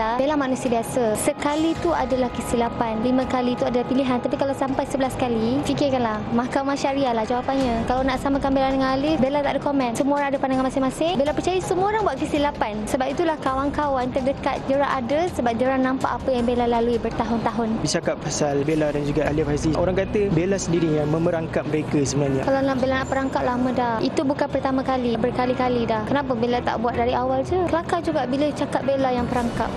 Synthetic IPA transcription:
abelamanũsiabiasasəkalit̪uadalahkəsilapanlimə̃kalit̪uadalahpiliɦant̪apikalawsampajsəbəlaskalifikɪrkanlahmãkamãʃaɾiahlahd͡ʒawapanɲãkalawnaʔsamãkanbelandəŋanalibelat̪a̰ʔdəkomɛ̃nsəmuaoɾaŋadəpandaŋanmasɪŋmasɪŋbelapərt͡ʃajasəmuoɾaŋbuat̪̚kəsilapansəbapit̪ulahkawaŋkawant̪ərdəkat̪̚d͡ʒəɾaʔadasəbap̚d͡ʒəɾahnãmpa̰ʔapəjaŋbelalaluibərt̪aɦʊnt̪aɦʊnbit͡ʃakap̚fasalbeladand͡ʒuɡaʔaliafasiʔoɾaŋkat̪əbelasəndiɾijaŋməməɾaŋkap̚məɾekasəbənalɲakalanabelanapəɾaŋkaʔ̚lamə̃dahit̪ubukanpərt̪amãkalibərkalikalidahkənap̬əbelat̪a̰ʔbuat̪̚daɾiawald͡ʒukəlakad͡ʒuɡaʔbilət͡ʃakap̚belajaŋpəɾaŋka̰p̚

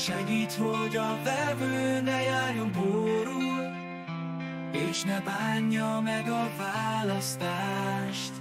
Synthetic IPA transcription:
ʃɛɡiːt̪ho̞ɟɒvɛvøːnɛjaːrjomboːɾul | eːʃnɛbaːɲːɒmɛɡɒvaːlɒst̪aːʃt̪

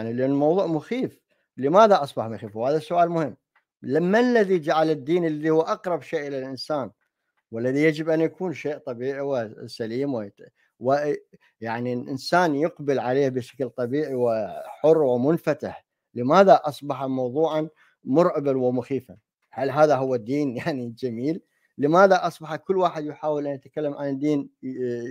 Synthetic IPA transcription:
jaʕnilʔanːlmɑwðˤuːʕmʊxiːf | ləmaːðaʔɑsˤbɑħmʊxiːfwhaːðasːʊʔaːlmʊhɪmː | lamːanlːaðid͡ʒaʕalɪd̪ːiːnɪlːaðihʊwːʔɑqɾˤɑbʃeːʔɪlalʔɪnsaːn | wɪlːaðijad͡ʒɪbʔanjakuːnʃeːʔt̪ˤɑbiːʕiwɪsaliːmwɪ | wɪ | jaʕnilʔɪnsaːnjʊqbɪlʕaleːbɪʃḁklt̪ˤɑbiːʕiwɪħʊrːwɪmʊnfat̪ɪħ | ləmaːðaʔɑsˤbɑħamɑwðˤuːʕɑn | mʊɾʕɪbanwɪmʊxiːfa | halːɦaːðaɦʊwːad̪ːiːnjaʕnid͡ʒamiːlː | əmaːðaʔɑsˤbɑħakʊlːwaːħɪd̪jħaːwɪlʔanjat̪kalːamʕand̪ːiːn

